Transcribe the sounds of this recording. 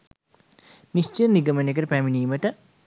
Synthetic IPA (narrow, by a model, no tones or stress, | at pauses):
nist͡ʃəɾniɡɐmɐnekəɾəpæminiːməʈə